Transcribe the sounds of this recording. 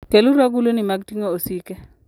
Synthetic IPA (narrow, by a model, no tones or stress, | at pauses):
keluɾaɡulonimaɡ̚tiŋoosike